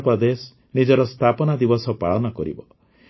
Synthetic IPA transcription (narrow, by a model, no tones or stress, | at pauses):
pɾɔd̪esɔ | nid͡ʒɔɾɔst̪ʰapɔnad̪ibɔsɔpaɭɔnɔkɔɾḭbɔ